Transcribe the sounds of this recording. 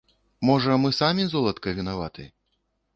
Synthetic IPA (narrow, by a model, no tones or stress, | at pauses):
mɔʐɐmɨsamʲizɔlˠɐt̪kɐvʲinavat̪ɨ̰